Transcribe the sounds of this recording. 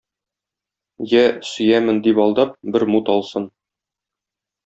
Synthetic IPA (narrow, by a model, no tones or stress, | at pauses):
jæsɵ̆jæmɘnd̪ipɒlˠd̪ɑp̚bɘɾmut̪ɒlˠsɤn